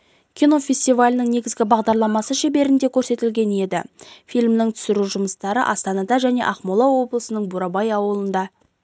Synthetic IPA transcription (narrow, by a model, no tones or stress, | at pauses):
kʲʰino̞fʲe̞sʲt̪ivalʲɪnɪŋne̞ɡʲɪzɡʲɪbɑʁd̪ɑɾlˠɑmɑsəʃebe̞ɾɪnd̪e̞kʲʰɵɾse̞t̪ɪlɡʲe̞ne̞d̪ɪ̰fijlʲmnɪŋt̪ʰʏ̥sɪɾuʒʊməst̪ɑɾə̰ʔɑst̪ɑnɑd̪ɑʒæne̞̰ʔɑqmolˠɑwo̞blˠəsənəɴbuɾɑbɑjɑwəlˠənd̪ɑ